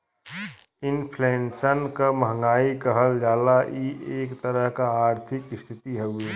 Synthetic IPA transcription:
ɪnpʰlensənkaməɦŋɡaːikəɦəld͡ʒaːlaʔiʔeːkt̪əɾəɦkaaːɾt̪ʰɪkɪst̪ʰɪt̪iɦɛɡui

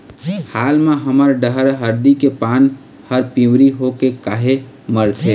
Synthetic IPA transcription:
haːlmeɦəməɾɖəɦəɾɦəɾd̪ikepaːn | həɾpĩwɾiɦokekaːɦe | məɾt̪ʰe

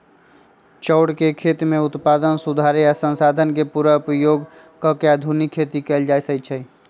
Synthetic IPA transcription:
t͡ʃəʊɽkekʰet̪meut̪pad̪ənsud̪ʱaɾjasə̃nsad̪ʱənkepuɾəupəjoɡ | kəkead̪ʱunikʰːet̪ikɛld͡ʒajsət͡ʃʰɛj

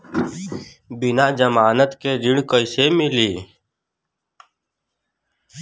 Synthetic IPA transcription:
bɪnad͡ʒəmaːnət̪keɾɪɽ̃kəɪsemɪliː

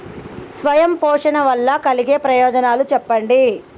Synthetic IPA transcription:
sʋɐjɐmpɔːʂɐnɐʋɐlːɐkɐliɡeːpɾɐjɔːd͡ʒɐnaːlut͡ʃɛpːɐɳɖi

